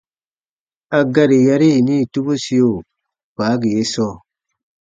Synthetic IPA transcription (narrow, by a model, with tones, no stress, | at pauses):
a˨ɡa˦ɾi˨ja˦ɾi˦˨ni˦˨tu˦bu˦si˨˦jo˨ | pa˨˦ɡi˨je˦sɔː˦˨